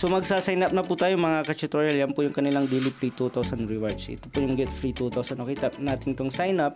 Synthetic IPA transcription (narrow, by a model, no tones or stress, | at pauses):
somɐɡsaːsajnɐp̚nɐpuːt̪aːjomɐŋakɐt͡ʃɪt̪ɾoːjɐljɐnpʊjʊŋkɐnɪlaŋd̪ilipɾit̪ut̪awsɐnɹɪwaɹt͡ʃʔɪ̰t̪opʊjʊŋɡɛt̪fɾit̪ut̪awsɐnʔokɛjt̪ɐnaːt̪ɪŋt̪oŋsajnɐp̚